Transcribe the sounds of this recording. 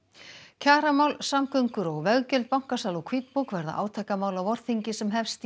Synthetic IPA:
cʰaːɾamaːwlsamkœɥŋkʏɾɔɣvɛɣcʏlt̪̚pawŋ̥kasalɔkʰviːt̪pukvɛɾða̰ʔa̰ːwt̪ʰaːjkamaːwlawvɔɾ̥θiɲcɪsɛmɦɛfst̪

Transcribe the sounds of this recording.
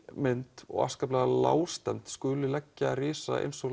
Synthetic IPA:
mɪnt̪ɔ̰ɣa̰skaplɛɣala̰ːwst̪ɛmt̪skʏːlʏlɛcːarɪːsa̰ḛjnsɔɣ

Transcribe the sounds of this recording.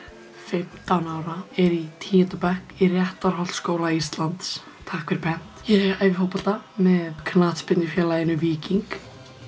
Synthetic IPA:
fɪm̥t̪anaːwɾaɛɾit̪ʰiːjɛnt̪ʏpɛhkirjɛht̪aɾ̥hɔlt̪skoːwlaist̪lant̪s | t̪ʰaːkfɪɾ̥pʰɛn̥t̪jɛajvɪfoːwpɔl̥t̪amɛðkʰnaːt̪spɪt̪ɪfjɛːlajɪnʏviːciŋk

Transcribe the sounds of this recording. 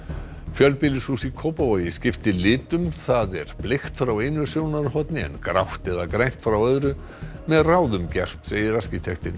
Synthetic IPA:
fjœlpɪlɪsusikʰoːwpavɔjɪscɪft̪ɪlɪːt̪ʏmθaðɛɾ̥plext̪fɾawejnʏsjoːwnaɾɦɔt̪nɪɛ̰nkɾa̰wht̪ɛðakɾajn̥t̪fɾawœðɾʏ | mɛðraːwðʏmcɛr̥t̪seːjðɪɾascɪt̪ʰɛxt̪ɪn

